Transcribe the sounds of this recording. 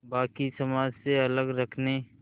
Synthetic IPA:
baːkisɐmaːd͡ʒseɐləɡɾəkʰne

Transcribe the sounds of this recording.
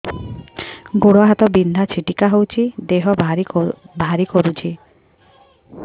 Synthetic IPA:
ɡoɽɔɦat̪ɔbind̪ʱat͡ʃʰiʈikaɦowt͡ʃʰid̪eɦɔbaɾibʱaɾikɔɾut͡ʃʰi

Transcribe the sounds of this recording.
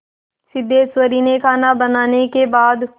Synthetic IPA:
sɪd̪ːeːsʋəɾiːnekʰaːnabɐnaːnekebaːd̪

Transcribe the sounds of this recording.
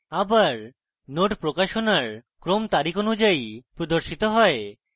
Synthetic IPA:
abaɾ | noʈpɾokaʃonaɾkɾomt̪aɾikʰonud͡ʑajpɾod̪oɾʃit̪oɦɔe

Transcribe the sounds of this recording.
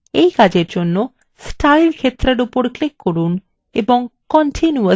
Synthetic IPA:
ejkad͡ʑeɾd͡ʑonːo | sʈajlkʰet̪ːɾeɾupoɾklikːoɾun | eboŋkɔnʈʰinuə

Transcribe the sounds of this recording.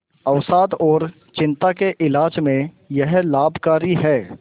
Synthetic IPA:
ɐʋsaːd̪ɔːɾ | t͡ʃɪ̃nt̪akeʔɪlaːd͡ʒmẽ | jɛɦlaːbʱkaːɾiɦɛː

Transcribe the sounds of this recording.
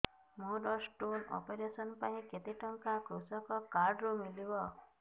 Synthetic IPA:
muɾɔsʈonɔ̰peɾesɔnpaĩket̪iʈɔŋkakɾusɔkɔkaɾɖɾumilibɔ

